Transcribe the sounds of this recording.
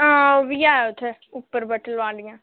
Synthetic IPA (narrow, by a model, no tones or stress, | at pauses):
ãoʋijaːɛʊt̪ʰe | ʊpːəɾbəʈəlʋaːlɪjãː